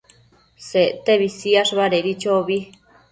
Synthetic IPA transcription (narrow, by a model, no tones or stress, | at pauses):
seʔt̪eβisiaʂβaɾeɾit͡ʃoβi